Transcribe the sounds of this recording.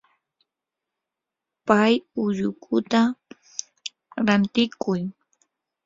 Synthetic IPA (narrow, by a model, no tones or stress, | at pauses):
pajʊʎʊkʰʊt̪a | ɾant̪ɪkʊj